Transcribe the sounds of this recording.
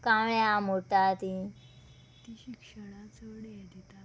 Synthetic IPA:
kãʋɭjamot̪at̪i | t̪iɕikʂəɽ̃at͡səɽejet̪it̪a

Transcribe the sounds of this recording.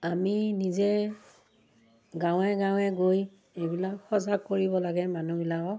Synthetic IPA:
aminizɛ | ɡãw̃ɛɡãw̃ɛɡoj | ejbilakxɔzaɡ̚kːoɹibɔlaɡɛmanubilakɔ

